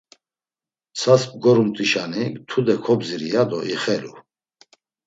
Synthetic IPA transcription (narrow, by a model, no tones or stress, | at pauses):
t͡sʰasb̚ɡɔɾumt̪ʼiʃanikt̪ʰud̪ɛkʰɔbziɾijad̪ɔʔiχɛlu